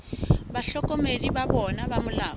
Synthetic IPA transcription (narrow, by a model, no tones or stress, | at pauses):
baɬɔkʼɔmedibabɔnabamʊlaː